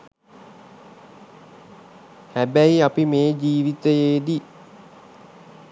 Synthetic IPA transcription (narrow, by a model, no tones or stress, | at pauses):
hæbæiapimeːd͡ʒiːʋit̪əjeːd̪i